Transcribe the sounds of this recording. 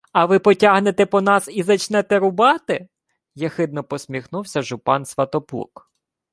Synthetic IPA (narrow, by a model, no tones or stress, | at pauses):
ɐʋɪpɔtʲaɦnet̪ɛpɔnɑsizɐt͡ʃnɛt̪ɛɾʊbɑt̪ɪ | jɐxɪd̪nɔpɔsʲmʲixnuwsʲɐʒʊpɑnsʋɐt̪ɔpṵk